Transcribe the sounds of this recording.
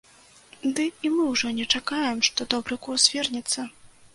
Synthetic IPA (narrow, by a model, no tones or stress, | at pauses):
d̪ɨimɨwʐɔnʲɛt͡ʂakajɛmʂt̪ɔd̪ɔbɾɨkurzʲvʲɛrnʲɛt̪sːɐ